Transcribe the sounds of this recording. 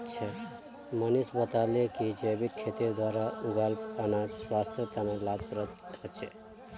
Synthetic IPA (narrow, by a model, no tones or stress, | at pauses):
t͡ʃʰɛ | mənisbət̪aːlekid͡ʒəbit̪̚kʰet̪id̪waːɾauɡalpɐnad͡ʒswast̪ʰjət̪analab̚pɾət̪hət͡ʃʰe